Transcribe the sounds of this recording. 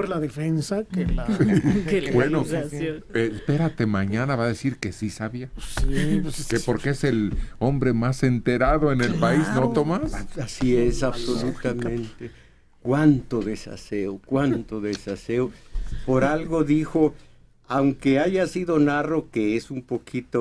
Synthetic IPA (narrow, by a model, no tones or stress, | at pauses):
ɾlaðefensa | bweno | espe̞ɾat̪e̞maɲanaβaðe̞siɾke̞sisaβiaskepo̞ɾkeeselo̞mbɾe̞mase̞nt̪e̞ɾaðo̞enelpaiznot̪omasasiesaβso̞lut̪amẽnt̪e | kwant̪o̞ðe̞sa̰seokwant̪o̞ðesaseopo̞ɾalɣo̞ðixo | awŋkeaʝasiðo̞narokeesumpo̞kʰit̪o